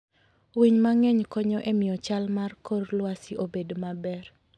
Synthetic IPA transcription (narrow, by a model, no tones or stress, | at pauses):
wiɲmaŋɛɲkɔɲɔʔɛmɪjɔt͡ʃalmarkorlwasɪʔobedmabɛr